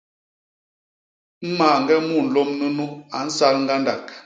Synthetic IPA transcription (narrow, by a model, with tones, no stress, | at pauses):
m̩˦maː˨ŋ˨ɡɛ˦mu˦˨n̩˨lɔ˦mːə˦nu˦a˨n̩˦sa˦lŋ̩˦ɡa˦nda˨k